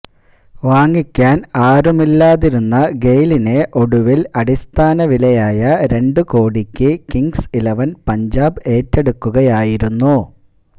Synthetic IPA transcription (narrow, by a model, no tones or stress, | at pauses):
ʋaːŋːikʲːaːnaːɾumilːaːðiɾunːɐɡe̞jline̞ʔo̞ɽuʋilɐɽist̪ʰaːnɐʋilɐjaːjɐɾe̞ɳɖɨko̞ːɽikʲːɨkiŋɡsilɐʋɐnpɐɲd͡ʑaːbe̞ːtːe̞ɽukːuɣɐjaːjiɾunːu